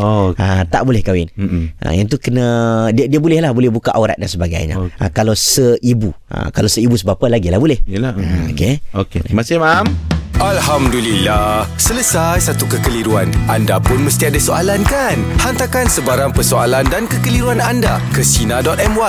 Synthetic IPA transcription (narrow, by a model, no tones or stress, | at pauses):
oat̪aʔbolɛhkawɪnʔa̰jənt̪̬ukənadiadiabolɛhlahbolɛhbukaʔoɾa̰t̪̚dansəbaɡa̰jɲa̰ʔa̰kalawsəibua̰kalawsəibusəbapalaɡilahbolɛhjəlao̰keokemasɪhmamalhamdulilahsələsajsat̪ukəkəliɾua̰nʔandapʊnməst̪iadasoalankanhant̪akansəbaɾaŋpərsoalandankəkəliɾuananda | kəsinadɔt̪̚ɛmwa